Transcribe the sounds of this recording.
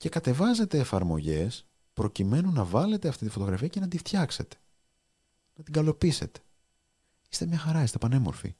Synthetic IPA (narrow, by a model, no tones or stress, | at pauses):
ce̞kɐt̪e̞vɐze̞t̪e̞ːfɐɾmo̞̰ʝe̞s | pɾo̞cime̞nunɐvɐle̞t̪eɐft̪it̪ifo̞t̪o̞ɣɾɐfiɐce̞nɐd̪ift̪çɐkse̞t̪e̥ | nɐt̪iŋɡɐlo̞pise̞̰t̪e̥ | i̥st̪emɲɐxɐɾɐist̪epɐne̞mo̞ɾfḭ